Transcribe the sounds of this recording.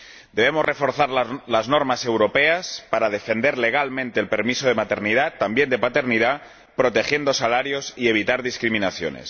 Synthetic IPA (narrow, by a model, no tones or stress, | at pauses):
d̪e̞β̞emorʔefo̞ɾθaɾllaznoɾmase̞wɾo̞peaspaɾað̞e̞fe̞nd̪e̞ɾle̞ɣ̞almẽ̞nt̪e̞ːlpe̞ɾmisoðe̞mat̪e̞ɾnið̞at̪ːambje̞nd̪epat̪e̞ɾniða | pɾo̞t̪e̞xje̞nd̪o̞salaɾjo̞sie̞β̞it̪aɾðiskɾimĩnaθjo̰nḛs